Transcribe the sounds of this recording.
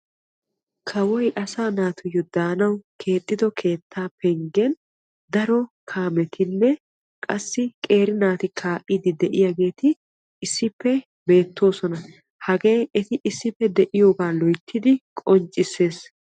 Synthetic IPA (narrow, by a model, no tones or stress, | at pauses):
kʰɐwɔjʔɐsaːnaːt̪ʊjːɔd̪̥aːnɐwkʰe̞ːt̪ʼːɪd̪ɔkʰe̞ːt̪ʰːaːpɛŋɡɛn | d̪ɐɾɔkʰaːmɛt̪ʰɪnːɛ | kʼɐsːɪkʼe̞ːɾɪnaːt̪ɪkʰaːʔʼɪd̪ɪd̪ɛʔɪjaɡe̞ːt̪ɪː | sːɪpːɛ | be̞ːt̪ːo̞ːsɔnɐ | hɐɡe̞ːɛt̪ɪʔɪsːɪpːɛd̪ɛʔɪjoːɡaːlɔjt̪ʰːɪd̪ɪkʼɔnt͡ʃʼːɪsːe̞ːs